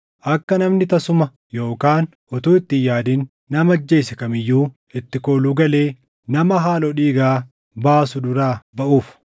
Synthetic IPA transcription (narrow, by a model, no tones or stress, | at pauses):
ʔɐkːɐnɐmnɪt̪ɐsʊmɐ | jo̞ːkaːn | ʔɔt̪uːɪt̪ːɪjaːd̪ɪnː | ɐmɐd͡ʒːe̞ːsɛkɐmɪjːuː | ɪt̪ːɪkoːluːɡɐleː | nɐmɐɦaːlɔᶑiːɡaː | baːsʊd̪ʊɾaːbɐʔuːf